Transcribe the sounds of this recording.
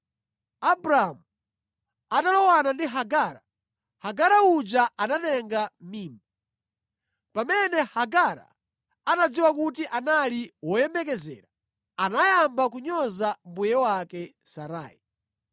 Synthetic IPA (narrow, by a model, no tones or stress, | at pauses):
abɾaamu | atalɔwanandiɦaɡaɾa | haɡaɾaud͡ʒaanatɛŋɡamiːmba | pamɛnɛhaɡaɾa̰ | anad͡ziwakutiʔanaliwɔjɛmbɛkɛzɛ̰ːɾa | anajambak̬uɲɔzambujɛwakɛ | saɾa̰ːi